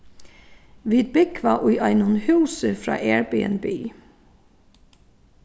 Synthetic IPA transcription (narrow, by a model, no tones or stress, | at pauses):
ʋiːd̪̚bɪkʰʋɑːʔʊʏʔɑɪnʊnhʉːsəfɹɑ̰ːʔeːɹbḭːə̰nbyː